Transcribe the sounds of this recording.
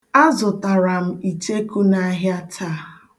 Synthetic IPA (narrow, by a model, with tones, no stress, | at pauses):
a˦zʊ˨ta˨ɾa˨m̩˦i˨t͡ʃe˦ku˦na˦ɦja˦tʰa˦˨